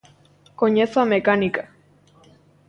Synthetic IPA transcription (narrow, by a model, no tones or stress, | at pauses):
koɲesoamekanika